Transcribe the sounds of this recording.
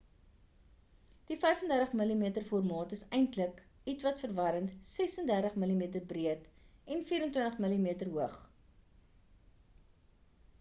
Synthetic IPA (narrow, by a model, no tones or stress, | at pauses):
d̥ifɛjfəndærdəχməlimiətərfɔrmɑːtəsɛjntləkitvɐtfərvɐɾəntsɛsəndærdəχməlimiətərbriətɛnfiːɾəntwəntəχməlimiətərɦuəχ